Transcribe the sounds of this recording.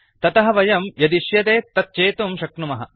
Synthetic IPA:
t̪ɐt̪ɐɦɐ̆ʋɐjɐmjɐd̪iʃjɐt̪eːt̪ːɐt̪̚t͡ʃeːt̪umʃɐkɳumɐɦɐ̰̆

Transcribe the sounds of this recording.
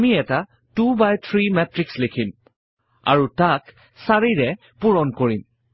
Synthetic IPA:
miɛta | tubajt̪ʰɹimɛtɹikslekʰim | a̰ɹutak | saɹiɹɛ | puɹɔnkoɹim

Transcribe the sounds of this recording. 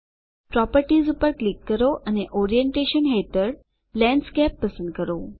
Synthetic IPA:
pɾɔpəɾʈizupəɾklikːəɾoʔəneʔɔɾijeɳʈeʃənɦet̪əɾ | lɛ̃ɳɖskɛpːəsə̃nd̪̚kəɾo

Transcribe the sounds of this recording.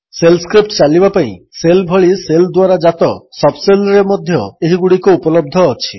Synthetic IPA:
selskɾip̚ʈt͡ʃalibapaḭ̃selbʱɔɭiseld̪waɾad͡ʒat̪ɔsɔbselɾemod̪ʱjɔeɦiɡuɽikuupɔlɔb̚d̪ʱɔːt͡ʃʰi̥

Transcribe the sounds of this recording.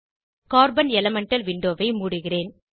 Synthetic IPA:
kaːɾbɐnɛlɐmɛɳʈɐlʋɪɳɖoːʋɐɪmuːɽɯɣɪreːn

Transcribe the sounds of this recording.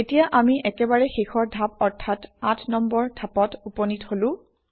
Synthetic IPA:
etijaʔamiʔɛkɛbaɹɛxexʰɔɹdʱapɔɹtʰːatatʰnɔmbɔɹdʱapɔtupɔnitholʊ̃

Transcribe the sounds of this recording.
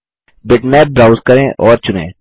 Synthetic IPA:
bɪʈmɛːp̚bɾaːʊzkɐɾẽʔɔːɾt͡ʃʊnḛ̃ː

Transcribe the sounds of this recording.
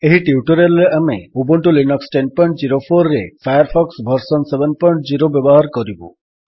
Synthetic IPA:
eɦiʈiuʈɔɾelːeameubɔɳʈulinɔksʈen̚pɔjɳʈ̚d͡ʒiɾopʰoɾːefʰajɔɾpʰɔksbʱɔɾsɔnsebenpɔjɳʈd͡ʒiɾobjɔbɔɦaɾkɔɾibṵ

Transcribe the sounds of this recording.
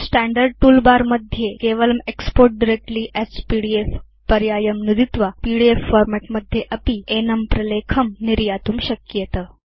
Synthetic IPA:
sʈæ̃ɳɖəɾɖ̚ʈuːlbaɾməd̪ʱjekeʋələmekspoɾʈ̚ɖiɾek̚ʈliːʔɛspiɽief | pɐɾjaːjəmnud̪it̪ʋapiɽiefːoɾmeʈməd̪ʱjeʔɐpienɐmpɾɐlekʰəmniɾjaːt̪uːmɕəkjet̪ə

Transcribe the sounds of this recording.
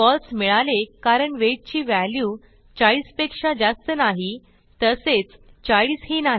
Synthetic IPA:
ɔlsmiɭalekaɾəɳʋeʈ̚t͡ɕiːʋælju | t͡saɭiːspekʂad͡zast̪ənaɦi | t̪əset͡st͡saɭiːshinaɦi

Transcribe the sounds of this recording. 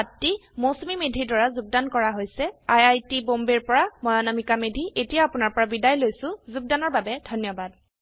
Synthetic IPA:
atːimosumimedʱidaɹazuɡ̚dankɔɹaɦojsɛajajtibombeɹpɔɹamɔjanamikamedʱiʔetijaapʊnaɹpɔɹabidajlojsʊ̃zuɡ̚danɔɹbabɛdʱɔnjɔbad

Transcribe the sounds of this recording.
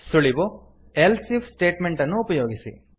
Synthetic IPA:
suɭibo | elsifsʈe̞ːʈmeɳʈɐnːuːpɐjoːɡisḭ

